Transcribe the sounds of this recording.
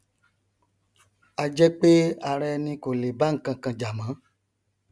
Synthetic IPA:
a˧d͡ʒɛ˦k͡pe˦a˧ɾɛ˧˦nĩ˧ko˨le˨ba˦ŋ̩˨kã˧kã˧d͡ʒa˨mã˨˦

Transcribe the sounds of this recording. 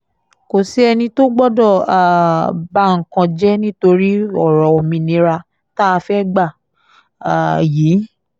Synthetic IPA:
ko˨si˨˦ɛ˧nĩ˧to˦ɡ͡bɔ˦dɔ˦˨a˨ba˧˦ŋ̩˨kã˧d͡ʒɛ˦nĩ˦to˧ɾi˦ɔ˦˨ɾɔ˨o˨mĩ˧nĩ˧˦ɾa˧ | ta˦a˧fɛ˦ɡ͡ba˦˨ | a˨jiː˨˦

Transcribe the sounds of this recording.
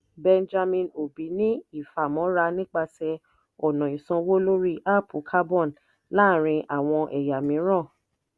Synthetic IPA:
bɛ˧nd͡ʒa˧mĩ˧no˨bi˨˦nĩ˦i˦˨fa˨mɔ̃˨˦ɾa˧˦nĩ˦k͡pa˧sɛ˧ | ɔ˨nɔ̃˨ĩ˨sɔ̃˧wo˦lo˦ɾi˦ʔa˦˨pʰu˨˦kʰa˦bɔ̃˦˨n | la˦˨ɾ̃ĩ˧ʔa˨w̃ɔ̃˧ʔɛ˨ja˨mĩ˨˦ɾ̃ã˦˨

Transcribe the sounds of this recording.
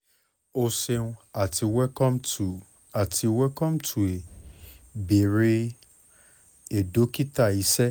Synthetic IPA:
o˧se˧nũ˧a˨ti˧wɛ˦kɔ̃˦mu˨ | a˨ti˧wɛ˦kɔ̃˦mtʰu˨e˨ | be˨ɾe˦ | e˨do˨˦ki˦ta˦˨i˨˦sɛ˦

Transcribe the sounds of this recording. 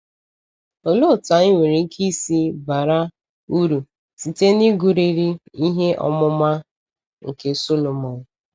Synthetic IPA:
o˨lo˦˨ta˨˦i˦ŋʷe˨ɾi˨ŋ̩˦kʰi˦si˦ba˨ɾa˦ | u˦ɾu˨ | si˨te˦ni˦ɡu˨ɾi˨ɾi˦i˦ɦe˦ʔɔ̰˦mʊ˦ma˦ | ŋ̩˨ke˦so˦lo˨mɔ˨n˨

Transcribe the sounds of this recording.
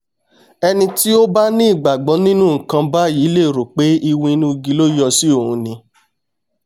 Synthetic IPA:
ɛ˧nĩ˧ti˦o˦ba˦nĩ˦˨ɡ͡ba˨ɡ͡bɔ˨˦nĩ˦nũ˦ŋ̩˨kã˧ba˦ji˨˦le˦˨ɾo˨k͡pe˨˦i˧wũ˧˦nũ˦˧ɡi˧˦lo˦jɔ˧si˦o˦˨hũ˧˦nĩ˧˦

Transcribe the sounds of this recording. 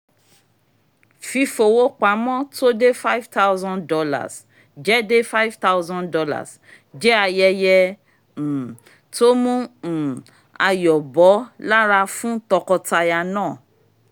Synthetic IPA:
fi˧fo˨wo˦k͡pa˨˦mɔ̃˦to˦de˦fa˦jvta˦wzɔ̃˦ndɔ˧la̰˨s | d͡ʒɛ˦de˦fa˦i˦vta˦wzɔ̃˦ndɔ˧la̰˨s | d͡ʒɛ˦a˧jɛ˧jɛ˧˨ | to˦mũ˦˨ | a̰˧jɔ˨bɔ˨˦la˦ɾa˧fũ˦tɔ˧kɔ˧ta˧ja˧nãː˦˨

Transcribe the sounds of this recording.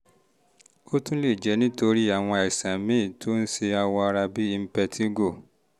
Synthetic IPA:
o˦tũ˦le˦˨d͡ʒɛ˨˦nĩ˦to˧ɾi˦a˨w̃ɔ̃˧ɛ˨sã˨mĩ˦˨tʰo˦n̩˦se˧a˧wɔ̃˧a˧ɾa˧bi˦i˧m̩˦pɛ˧tʰi˦ɡo˦˨

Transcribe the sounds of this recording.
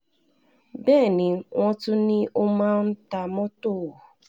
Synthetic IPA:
bɛː˦˨ni˨ŋʷɔ̃˦tʊ˦nɪ˦o˦mã˦n̩˦ta˦mɔ˦tʊ˦˨

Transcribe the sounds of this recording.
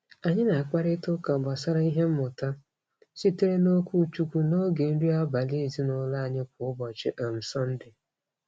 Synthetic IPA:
a˨ɲɪ˦na˨a˨kʷa˦ɾɪ˦tʊ˦ka˨ba˨sa˦ɾa˦i˦ɦe˦m̩˦mʊ˨ta˦ | si˦te˦ɾe˦no˦kʷu˦t͡ʃu˦kʷu˦no˦ɡe˨n̩˦di˦a˦ba˨li˦˨zi˦nʊ˨la˦a˨ɲɪ˦k̚ʷʊ˨ʊ˦bɔ˨t͡ʃɪ˦ʔa˨m̩˨sɔ˦n̩˦dɪ˨

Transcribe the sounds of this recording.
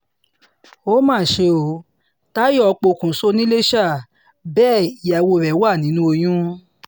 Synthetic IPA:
o˦mãː˦˨ʃe˧o˨ | ta˦jɔ˦ɔ˧k͡po˧kũ˨so˦nĩ˦le˦ʃa˦˨ | bɛː˦˨i˨ja˨wo˧˨ɾɛ˨˦wa˦˨nĩ˨˦nũ˦o˧j̃ũ˦

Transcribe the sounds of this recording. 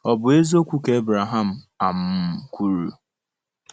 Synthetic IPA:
ɔ˨bʊ˨e˦zo˦kʷu˦ke˨˦bɾa˨ɦa˦˨m̩˨ | a˨m̩˦˨kʷu˦ɾu˨

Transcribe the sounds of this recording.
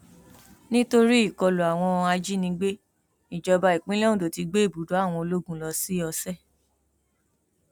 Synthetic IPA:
nĩ˦to˧ɾi˦i˦˨kɔ˧lo˨a˨w̃ɔ̃˧a˧d͡ʒi˦nĩ˧ɡ͡be˦ | i˨d͡ʒɔ˧ba˧i˨k͡pĩ˦lɛ˦ũ˦do˨ti˧ɡ͡be˦i˦˨bu˨˦do˨˦a˦˨w̃ɔ̃˧o˧lo˦ɡũ˦˨lɔ˧si˦ɔ˧sɛ˦˨

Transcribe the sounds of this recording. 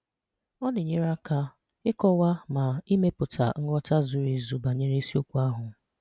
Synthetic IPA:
ɔ˦nɪ˨ɲe˦ɾa˦ka˦ | ɪ˦kɔ˦wa˦ma˨i˦me˦pʊ˨tʰa̰˨ŋ̩˦ɡɔ˦ta˦zʊ˦ɾi˨zu˨ba˨ɲe˦ɾe˦si˦o˦kʷu˦a˦ɦʊ˨˦

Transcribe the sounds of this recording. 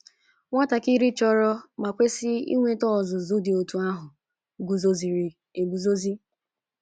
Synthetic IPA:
ŋʷa˦ta˨ki˦ɾi˦t͡ʃɔ˦ɾɔ˦ma˨kʷe˦sɪ˦ḭ˦ŋʷe˦tɔ˦˨zʊ˨zu˦dɪ˨o˨tu˨a˦ɦʊ˨ | ɡu˨zo˦zi˨ɾi˨ | e˨ɡu˨zo˦zi˦

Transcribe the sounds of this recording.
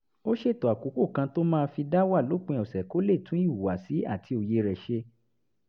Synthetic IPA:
o˦ʃe˦˨to˨a˨ku˨˦ko˦˨kã˧to˦mãː˦˧˦fi˧da˦wa˦˨lo˨˦k͡pẽ˧ɔ˨sɛ˨ko˨˦le˦˨tũ˨˦i˦˨u˨wa˨si˨˦a̰˦˨tʰi˧o˨je˧ɾɛ˨ʃe˧

